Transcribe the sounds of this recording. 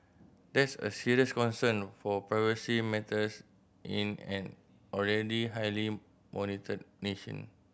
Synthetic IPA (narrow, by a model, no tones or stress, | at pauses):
dɛtsə̰siɹiəskɔ̃nsə̃nfɔpɹajvəsimɛtʰəs | ʔĩnɛ̃n | ɔlɹɛdiɦajli | mʔɔnitʰəd̚neʃə̰̃n